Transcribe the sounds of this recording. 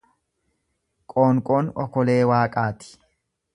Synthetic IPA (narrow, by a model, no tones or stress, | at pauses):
kʼoːŋkʼoːnɔ̰kɔle̞ːwaːkʼaːt̪ɪ̥